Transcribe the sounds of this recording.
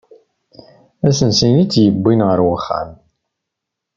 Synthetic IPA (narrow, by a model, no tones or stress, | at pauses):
æsənsinit͡sːjəbːinʁəɾwəχːæ̰m